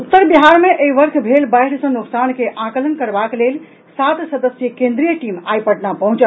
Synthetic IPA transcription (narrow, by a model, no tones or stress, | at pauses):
ut̪ːəɾbiɦaɾmeʔeiʋəɾkʰbʱelbajɽsə̃nuksankeʔãkələnkəɾbaklel | sat̪səd̪əsjəkẽnd̪ɾijəʈima̰jpəʈnapəɦũt͡ʃə